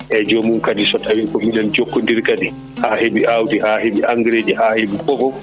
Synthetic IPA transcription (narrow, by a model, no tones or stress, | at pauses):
ʔɛd͡ʒɔmumkadisɔtawikɔmilɛld͡ʒokːɔndiɾkadi | haːhebiʔawtihaːheɓiʔaŋɡɾeːd͡ʒɛhaːhebikɔvɔ